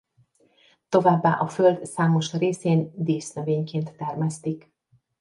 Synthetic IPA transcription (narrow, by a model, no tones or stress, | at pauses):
t̪o̞vaːbːaːʔɒføld̪saːmo̞ʃreːseːnd̪eːsnøveːɲkeːnt̪ːɛrmɛst̪ik